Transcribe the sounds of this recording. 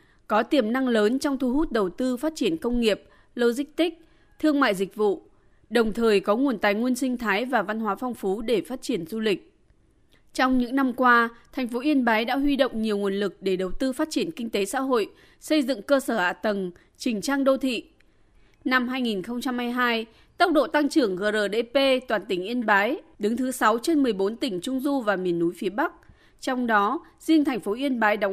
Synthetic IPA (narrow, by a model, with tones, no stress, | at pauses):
kɔ˨˦t̪i˨˧˩əmna˧ŋləː˨˦nt͡ɕɔ˧wŋ͡mt̪ʰu˧hu˦˥t̚ɗə˨˩wt̪ɨ˧faː˦˥t̚t͡ɕi˧˩ənkə˧wŋ͡mŋi˨˩əp̚ | ləː˧zï˦˥k̚t̪ï˦˥k̟̚ | t̪ʰɨ˧əŋma̰ː˧˨jzï˨˩k̟̚vṵ˧˨ | ɗə˨˩wŋ͡mt̪ʰəː˨˩jkɔ˨˦ŋu˨˩ənt̪aː˨˩jŋu˧ənsï˧ŋ̟t̪ʰaː˨˦jvaː˨˩va˧nɦwaː˨˦fɔ˧wŋ͡mfu˨˦ɗe˧˩faː˦˥t̚t͡ɕi˧˩ənzu˧lï˨˩k̟̚ | t͡ɕɔ˧wŋ͡mɲɨ̰˧˥ŋna˧mkwaː˧t̪ʰa˨˩jŋ̟fo˨˦ʔi˧ənɓaː˨˦jɗa̰ː˧˥ɦwi˧ɗo̰˧˨wŋ͡mɲi˨˩əwŋu˨˩ənlɨ˨˩k̚ɗe˧˩ɗə˨˩wt̪ɨ˧faː˦˥t̚t͡ɕi˧˩ənkï˧ŋ̟t̪e˨˦sa̰ː˧˥ɦo̰˧˨j | sə˧jzɨ̰˧˨ŋkəː˧səː˧˩ha̰ː˧˨t̪ə˨˩n | t͡ɕï˨˩ŋ̟t͡ɕaː˧ŋɗo˧t̪ʰḭ˧˨ | na˧mɦaː˧jŋi˨˩nxə˧wŋ͡mt͡ɕa˧mhaː˧jɦaː˧j | t̪ə˦˥wk͡p̚ɗo̰˧˨t̪a˧ŋt͡ɕɨ˧˩əŋɣəː˨˩zəː˨˩ɗḛ˧˥pe˧t̪waː˨˩nt̪ï˧˩ŋ̟ʔi˧ənɓaː˨˦jɗɨ˨˦ŋt̪ʰɨ˨˦sa˨˦wt͡ɕe˧nmɨ˨˩əjɓo˨˦nt̪ï˧˩ŋ̟t͡ɕʊ˧ŋ͡mzu˧vaː˨˩mi˨˩ənːu˨˦jfi˨˦əɓa˦˥k̚ | t͡ɕɔ˧wŋ͡mɗɔ˨˦ | zi˧əŋt̪ʰɛ˨˩jŋ̟fo˨˦ʔi˧ənɓaː˨˦jɗa˨˦